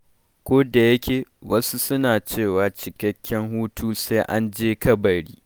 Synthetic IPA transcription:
kʷoː˦da˨jɐ˦kʲeː˨wɐ˦su˦sʊ˦naː˨t͡ʃeː˦˨waː˨t͡ʃɪ˨kɐ˦kʲːɛ˦ŋhuː˦tuː˦sa˦ʔa˦nd͡ʒeː˦kɐ˦bɐ˨ɽiː˦

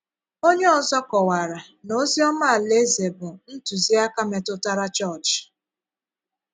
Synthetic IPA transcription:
o˦ɲe˦ɔ˨zɔ˦kɔ˨wa˨ɾa˨ | no˦zi˦ɔ˦ma˦a˨le˦ze˨bʊ˨n̩˦tu˨zi˦a˦ka˦me˨tʊ˦ta˦ɾa˦t͡ʃɔ˦˨t͡ʃ

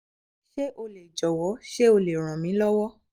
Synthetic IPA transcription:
ʃe˦ʔo˧le˨d͡ʒɔ˨wɔ˨˦ʃe˦o˧le˨ɾ̃ã˨mĩ˨˦lɔ˦wɔ˦

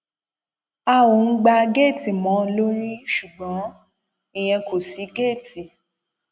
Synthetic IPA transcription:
a˦wo˨ŋ̩˦ɡ͡ba˧ɡe˦˨ti˨mɔ̃˨˦lo˦ɾ̃ĩ˦ʃu˨ɡ͡bɔ̃˨˦ | ĩ˨j̃ɛ̃˧ko˨si˨˦ɡeː˦˨ti˨

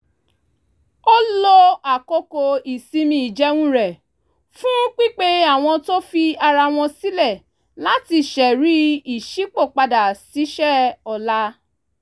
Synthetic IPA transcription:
o˦lo˧a˨ko˧ko˧i˨si˧mĩ˧˨i˨d͡ʒɛ˨˦wũ˦ɾɛ˨ | fũ˦k͡pi˦k͡pe˦a˦˨w̃ɔ̃˧to˦fi˧a˧ɾa˧w̃ɔ̃˧si˦lɛ˦˨ | la˨˦ti˧ʃɛ˨ɾi˨˦i˨ʃi˨˦k͡po˦˨k͡pa˧da˨si˨˦ʃɛ˦˨ɔ˧la˧˦

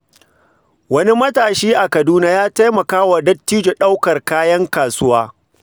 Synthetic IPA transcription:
wɐ˦ni˦mɐ˦taː˨ʃiː˦ʔa˨kɐ˨duː˦naː˦jaː˦ta˦jmɐ˨kaː˦wa˨dɐ˦tːiː˦d͡ʒe˨ɗa˦wkɐ˨rkaː˦jɐ˦ŋkaː˨sʊ˦waː˦

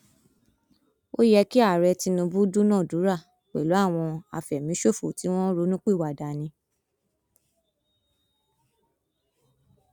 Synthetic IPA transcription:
o˦jɛ˧ki˦a˦˨ɾɛ˧ti˧nũ˧bu˦du˦nãː˦˨du˨˦ɾa˦˨ | k͡pɛ˨lo˨˦a˦˨w̃ɔ̃˧a̰˧fɛ˨mĩ˨˦ʃo˦˨fo˨ti˨˦w̃ɔ̃˦ɾo˨˦nũ˦k͡pi˦˨wa˨da˨nĩ˧

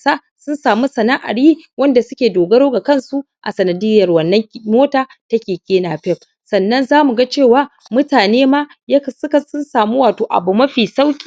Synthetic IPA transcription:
sa˦ʔ | sʊ˦nsaː˨mu˦sɐ˨na˦ʔa̰˨ɽjiː˦wɐ˦nda˨sʊ˦kʲeː˨doː˨ɡɐ˦ɽoː˦ɡa˨kɐ˦˨nsu˦ | ʔa̰˨sɐ˨nɐ˨dɪ˦jɐ˨rwɐ˨nːɐ˦ŋmoː˦taː˨ | tɐ˦kʲeː˨kʲeː˦naː˨ɸɛ˦ɸ | sɐ˨nːɐ˦nzaː˦mu˨ɡa˦t͡ʃeː˦˨waː˦ | mʊ˦taː˨neː˦maː˦ | jɐ˦˨sʊ˦ka˨sʊ˦nsaː˨mu˦waː˨toː˨ʔa̰˨bu˨mɐ˦ɸiː˨sa˦wkʲʼiː˨

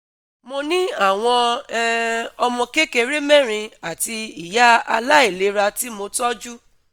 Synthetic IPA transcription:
mo˧nĩ˦a˦˨w̃ɔ̃˧˦ | ɔ˧mɔ̃˧ke˦ke˧ɾe˦mɛ̃˦˨ɾ̃ĩ˧a˨ti˧i˨ja˦a̰˧la˦e˦˨le˨˦ɾa˧ti˦mo˧tɔ˦d͡ʒu˦

